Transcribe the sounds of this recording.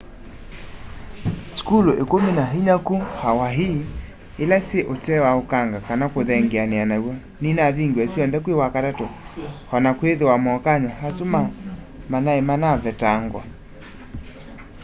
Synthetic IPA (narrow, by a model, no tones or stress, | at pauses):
skuloʔekomenaɦiɲakuhawaɦi | elaseʔotɛwaokaŋɡakanakoðɛŋɡeaneanawɔ | ninaðiŋɡeɛsiɔnðɛkwewakatatohɔnakweðewamɔkaɲwahasuma | manaemanaβɛtaŋɡwa̰